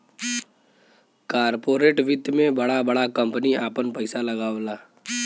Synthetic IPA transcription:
kaːɾpoːɾeːʈʋɪd̪mẽbɐɽabɐɽakə̃mpniaːpənpəɪsalɐɡaːlaː

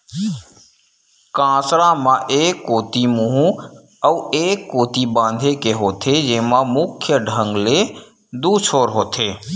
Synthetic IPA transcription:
kãːsɾãmãʔeːkːoːt̪imuɦũ | əueːkːoːt̪ibãːnd̪ʱekeɦoːt̪ʰed͡ʒeːmãmʊkʰjəɖʱə̃ŋɡle | d̪uːt͡ʃʰoːɾɦoːt̪ʰeː

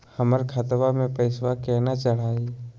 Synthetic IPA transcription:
həməɾkʰat̪ʋamẽpəɪswakɛːnat͡ʃəɽ̤aːi

